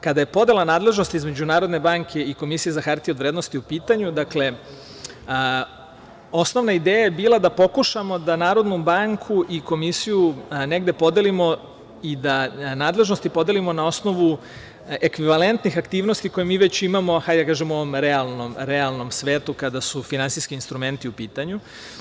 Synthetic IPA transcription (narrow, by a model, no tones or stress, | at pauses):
kad̪aje̞po̞d̪e̞lanaːd̪le̞ʒno̞st̪iizme̞d͡ʑunaːɾo̞d̪ne̞baːŋkʰe̞iko̞misije̞zaxaɾt̪ieod̪ʋɾed̪no̞st̪iupiːt̪aɲud̪akle̞ | o̞snoʋnaid̪eːjajebiːlˠad̪apo̞kuʃamo̞d̪anaːɾo̞d̪nubaŋkʰuʔiko̞misijune̞ɡd̪e̞po̞d̪e̞limo̞ | id̪anaːd̪le̞ʒno̞st̪ipo̞d̪e̞limo̞nao̞sno̞ʋu | ekʋiʋale̞nt̪nixakt̪iːʋno̞st̪iko̞jemiːʋe̞t͡ɕimamo̞xajd̪akaːʒemuo̞ʋo̞mɾealˠnomɾealˠno̞msʋeːt̪ukad̪asufinant̪siskiːnst̪ɾume̞nt̪iupiːt̪aɲu